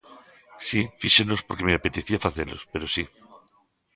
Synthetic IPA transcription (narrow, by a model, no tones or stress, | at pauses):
sifiʃeno̞spo̞ɾkemeape̞t̪eθiafaθelo̞̰spe̞ɾosi